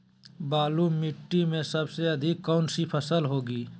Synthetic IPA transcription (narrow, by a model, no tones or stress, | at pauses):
baːlumɪʈːimẽsəbseəd̪ʱikːaʊnsipʰəsəlɦoːɡiː